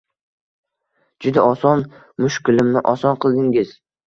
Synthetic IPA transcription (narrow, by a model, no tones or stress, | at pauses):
d͡ʒʊd̪aɒsɒn | mʊʃkʰʲɪlɪmnɪʔɒsɒnqʰɨlˠd̪ɪŋɪz̥